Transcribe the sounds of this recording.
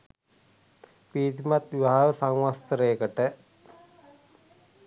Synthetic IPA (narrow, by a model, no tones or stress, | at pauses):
piːt̪imat̪ʋiʋaɦaʋəsaŋʋast̪əɾeːkəʈə